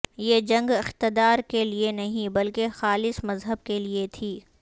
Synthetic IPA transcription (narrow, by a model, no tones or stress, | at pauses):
jed͡ʒɐ̃ŋɡɪxt̪ɪd̪aːɾkelienɐɦĩbɐlkexaːlɪsmɐzɦəb̚keliet̪ʰiː